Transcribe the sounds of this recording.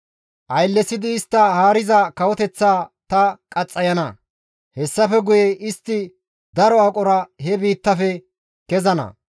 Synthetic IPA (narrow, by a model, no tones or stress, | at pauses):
ʔɐjlːɛsɪd̪ɪːst̪ːɐhaːɾɪzɐkɐwɔt̪ɛt͡sːaːt̪ɐkʼɐt͡sʼːɐjɐnɐ | hɛsːɐfɛɡʊjɛʔɪst̪ːɪ | d̪ɐɾɔɐkʼɔɾɐhɛbiːt̪ːɐfɛ | kɛzɐnɐ̰